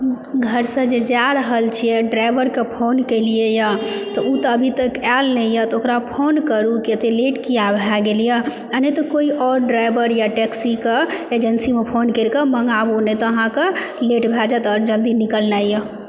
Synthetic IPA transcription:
ɡʱəɾsə̃d͡ʒed͡ʒaɾəɦəlt͡ʃʰijɛɖɾajbəɾkepʰonkeliejət̪ɔut̪ɔːbʱit̪əkalnəjət̪ɔokɾapʰonkəɾukit̪eleʈkijabʱaɡelije | ənet̪ɔkoiʔɔɾɖɾajbəɾjaʈɛksikeed͡ʒənsimepʰonkelkeməŋɡabonɛt̪ɔəɦãke | leʈbʱɛd͡ʒat̪ɔɾd͡ʒəld̪inikəlnajjə

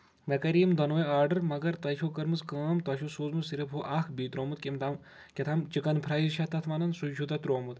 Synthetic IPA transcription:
ʋɐkɐɾiːmd̪ɐnoːjaːɾɖɐɾmɐɡɐɾt̪ɐʃʰokɐɾmɨskaːmt̪ɐʃʰosoːzmɨzsiɾɐpʰuʔaːkʰbiːt̪ɾoːmut̪kʲimt̪am | kʲɐt̪ʰaːmt͡ʃikɐnpʰɾaːjzʃʰɐt̪ɐt̪ʰʋaːnɐnsud͡ʒʰut̪ɐt̪ɾoːmut̪

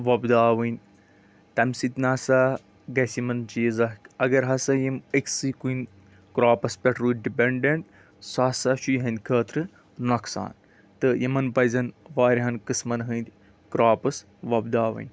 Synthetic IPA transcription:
ʋɐbd̪aːʋɨnʲ | t̪ɐmsit̪ʲnaːsaː | ɡɐsʲimɐnt͡ʃiːzɐhkɐɡɐɾɦɐsɐjiməksɨkuin | kɾaːpɐspʲɐʈɾuːɖipʲeɳɖeɳʈ | saːsaʃujɦɐnʲd̪ʲkʰəːt̪ɾɨ | nɐksa̰ːn | t̪ɨjimɐnpɐjzɐnʋaːɾʲɦɐnkɨsmɐnɦɨnd̪ʲ | kɾaːpɐs | ʋɐbd̪aːʋɐ̰nʲ

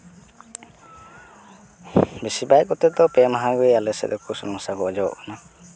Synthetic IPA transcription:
bisibajkɔt̪ɛd̪ɔpɛmaɦaɡɔialɛsɛ̰d̪ɔkusɔnɔŋsaɡɔɔd͡ʒɔɔ̰ʔkʰana

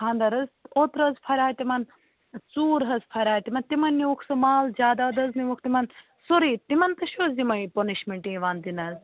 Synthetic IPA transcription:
kʰãːnd̪ɐɾɐzot̪ɾɐzpʰɐɾʲaːjt̪imɐn | t͡suːɾɦɐzpʰɐɾʲaːjt̪imɐnt̪imɐnːiukʰsɨmaːlzʲaːd̪aːd̪ɐzniʋukʰt̪imɐn | soɾiːt̪imɐnt̪ɐʃoːzimɐjponiʃmeɳʈĩʋaːnd̪inɐz

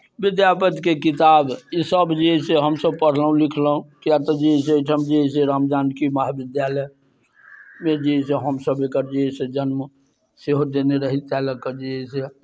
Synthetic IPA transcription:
bid̪japət̪kekit̪abisəbd͡ʒiɛseɦəmsəb̚pəɽ̤ləɦũlikʰləɦũkiat̪ɔd͡ʒiseʈʰəmd͡ʒiɦeseɾamd͡ʒ̪aːnkimaɦabid̪jaləj | med͡ʒiɦseɦəmsəbekəɾd͡ʒiɛsed͡ʒənm | seɦod̪eneɾəɦit̪ɛləkːəd͡ʒiɦese

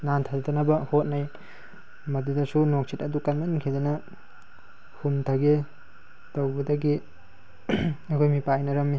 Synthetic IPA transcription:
nantʰazatɐnɐbɐhot̚naj | mɐdudɐsunok̚sʰitɐdukɐnmɐniŋkʰidanɐ | humtʰaɡe | tɐwɡɐdɐɡi | ɐjkʰojmipajjnɐɾɐmːi

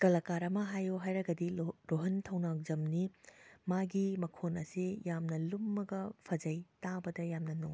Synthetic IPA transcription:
kɐlɐkaɾɐmɐɦajoɦajɾɐɡɐdiɾoɦɐntʰɐwnak̚zɐmnimaɡimɐkʰonɐsijamnɐlumːɐɡɐpʰɐd͡ʒɐjtabɐdɐjamnɐnuŋ

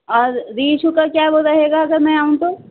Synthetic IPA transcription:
ɔːɾːiːʃukakjaːɛʋoɾɐɦeːɡaɐɡəɾmɛ̃aːũt̪oː

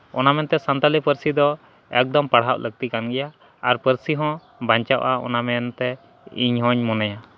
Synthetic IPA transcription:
ɔnamɛnt̪ɛsant̪alipəɾsid̪ɔ | ɛk̚d̪ɔmpaɽ̤ɦaʔlʔəɡ̚t̪ikanɡɛja | aɾpəɾsiɦɔ̃ | baɲt͡ʃaʔaɔ̰namɛnt̪ɛ | iɲɦɔ̃ɲmɔnaja

